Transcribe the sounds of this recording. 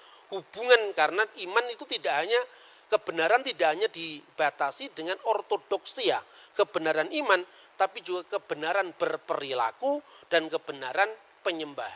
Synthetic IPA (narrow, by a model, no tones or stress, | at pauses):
hub̥uŋankaɾənaʔimanit̪ut̪idaʔɦaɲa | kəb̥ənaɾant̪idaʔɦaɲadib̥at̪asidəŋanɔrt̪odɔksiakəbənaɾaniman | t̪apid͡ʒuɡakəb̥ənaɾanb̥ərpəɾila̰kud̥ankəb̥ənaɾan | pəɲəmbahan